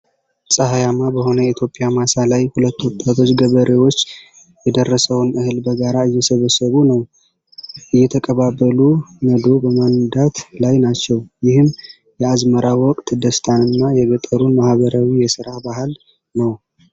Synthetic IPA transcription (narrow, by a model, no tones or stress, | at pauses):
sʼəɦajamabəho̞nəjit̪ʰjo̞pʼːɪjamasalajhulət̪ːuwt̪ʼːat̪ʰo̞t͡ʃːɡəβəɾe̞wo̞t͡ʃː | jɛd̪ərːəsəwnɨhɨlbəɡaɾaɨjːɛsəβəsəβunəw | ʔɨjːɛt̪ʰəkʼəβabːəluməd̪o̞bəmand̪at̪lajnat͡ʃːɛwjɪhɨm | jɛazməɾawɔkʼt̪d̪əst̪ʰʼanɨnːajɛɡət̪ʼːəɾunmahβəɾawijɛsɨɾabaɦɨl | nəw